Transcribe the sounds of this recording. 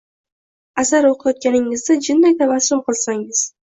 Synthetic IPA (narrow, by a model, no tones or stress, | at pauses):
asaɾoqʰɨjɒt̪̚kʲanɪŋɪzd̪ad͡ʒɪnːajt̪ʰavasːʊmqɨlˠsaŋɪz̥